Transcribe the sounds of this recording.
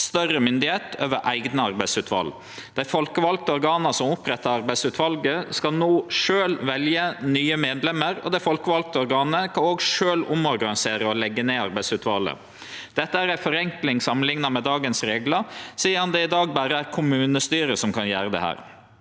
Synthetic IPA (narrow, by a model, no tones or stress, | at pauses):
st̪œrəmʏnd̪ɪheːt̪øːʋəɾʔæɪɡnəɑɾbæɪsʉːt̪ʰʋɑ̰l | d̪̥æɪfɔlkəʋɑlk̚t̪əɔɾɡɑːnəsɔmʊpɾɛt̪ːɑɾɑɾbæɪsʉːt̪ʰʋɑlɡəskɑlnoːʂøːlʋɛljənyːəmeːd̪lɛmːəɾɔ̰d̪æɪfɔlkəʋɑlk̚t̪əɔɾɡɑːnəkʰɑoːɡʂøːlʊmɔɾɡɑnɪseːɾəɔlɛɡːəneːɑɾbæɪsʉːt̪ʋɑ̰ːlə̰ | d̪̥ɛt̪ːəæːɾæɪfɔɾɛŋklɪŋsɑmənlɪŋnɑmɛd̪ɑːɡənsɾeːɡlɑsiːəɾhɑnd̪ɛɪd̪ɑːɡ̚bæːɾəæɾkʰʊmʉːnəst̪yːɾəsɔmkʰɑnjæːɾəd̪ɛ̰hæ̰ːɾ